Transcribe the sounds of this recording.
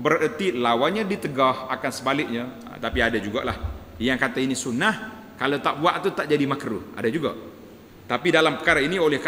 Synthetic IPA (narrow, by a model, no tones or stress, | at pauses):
bəɾət̪ilawanɲadit̪əɡɔhakansəbalɪk̚ɲa̰ | t̪apiadad͡ʒuɡa̰ʔlah | jaŋkat̪ainisunah | kalawt̪aʔbuaʔt̪ut̪aʔd͡ʒadimakɾṵʔa̰dad͡ʒuɡaʔ | t̪apidalampə̥kaɾainiolɛhk